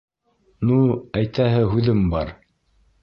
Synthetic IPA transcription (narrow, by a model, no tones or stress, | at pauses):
nuæjt̪ʰæɦɘɦʉðɘmbɑɾ